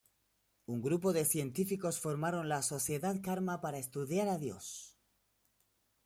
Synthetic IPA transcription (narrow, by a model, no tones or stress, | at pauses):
uŋɡɾup̬o̞ðe̞θje̞nt̪ifiko̞sfo̞ɾmaɾo̞nlaso̞θje̞ðaðkaɾmapaɾaest̪uðjaɾaðjo̞s